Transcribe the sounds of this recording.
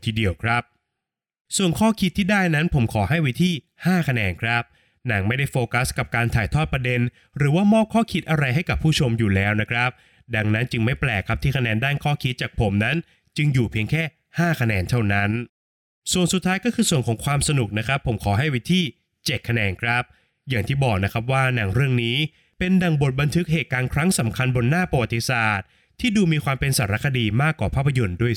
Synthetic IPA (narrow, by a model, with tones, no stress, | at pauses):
t̪ʰiː˧˩di˧əwkʰɾa˦˥p̚ | su˨˩ənkʰɔː˥˩kʰi˦˥t̪ʰːiː˥˩daː˥˩jna˦˥npʰo˩˦mkʰɔː˩˦ɦa˥˩jwi˦˥t̪ʰiː˥˩ | haː˥˩kʰa˧nɛː˧nkʰɾa˦˥p̚ | na˩˦ŋma˥˩jda˥˩jfoː˧ka˦˥ska˨˩p̚kaː˧nt̪ʰaː˨˩jt̪ʰɔː˥˩t̪pɾa˧de˧n | ɾɯː˩˦waː˥˩mɔː˥˩p̚kʰɔː˥˩kʰi˦˥t̪̚ʔa˧ɾa˧jɦa˥˩jka˨˩pʰːuː˥˩t͡ɕʰo˧mjuː˨˩lɛː˦˥wna˦˥kʰɾa˦˥p̚ | da˧ŋna˦˥nt͡ɕɯ˧ŋma˥˩jplɛː˨˩kʰɾa˦˥p̪̚iː˥˩kʰa˧nɛː˧ndaː˥˩nkʰɔː˥˩kʰi˦˥t̪̚t͡ɕaː˨˩k̚pʰo˩˦mna˦˥n | t͡ɕɯ˧ŋjuː˨˩pʰi˧əŋkʰɛː˥˩ | haː˥˩kʰa˧nɛː˧nt̪ʰa˥˩wna˦˥n | su˨˩ənsu˨˩t̪ʰːaː˦˥jkɔː˥˩kʰɯː˧su˨˩ənkʰɔː˩˦ŋkʰwaː˧msa˧nu˨˩k̚na˦˥kʰɾa˦˥pʰːo˩˦mkʰɔː˩˦ɦa˥˩jwi˦˥t̪ʰiː˥˩ | t͡ɕe˨˩t̪̚kʰːa˧nɛː˧nkʰɾa˦˥p̚ | jaː˨˩ŋt̪ʰiː˥˩bɔː˨˩k̚na˦˥kʰɾa˦˥p̚waː˥˩na˩˦ŋɾɯ˥˩əŋniː˦˥ | pe˧nda˨˩ŋbo˨˩t̪̚ba˧nt̪ʰɯ˦˥k̚ɦeː˨˩kaː˧nkʰɾa˦˥ŋsa˩˦mkʰa˧nbo˧nːaː˥˩pɾa˧wa˨˩t̪ːi˧saː˨˩t̪̚ʰːiː˥˩duː˧miː˧kwaː˧mpe˧nsaː˩˦ɾa˦˥kʰa˧diː˧maː˥˩kːwaː˨˩pʰaː˥˩pʰːa˧jo˧nduː˥˩əj